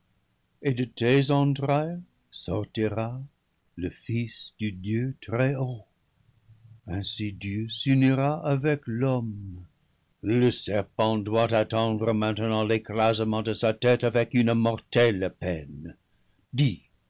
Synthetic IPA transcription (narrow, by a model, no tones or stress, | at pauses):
edətezɑ̃dʁɛj | sɔʁtiʁa | ləfisd̥ydjøtʁɛo | ɛ̃sidjøsyniʁaʔavɛklɔm | ləsɛʁpɑ̃dwatatɑ̃d̪ʁəmɛ̃tənɑ̃leklazəmɑ̃dəsatɛtavɛkynmɔʁtɛlpɛn | di